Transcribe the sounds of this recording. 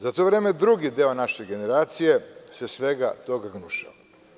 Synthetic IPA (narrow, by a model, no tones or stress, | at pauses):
zat̪o̞ʋɾeːmed̪ɾuɡid̪eːonaʃeɡe̞ne̞ɾaːt̪sije̞sesʋe̞ɡat̪o̞ɡaɡnuʃa̰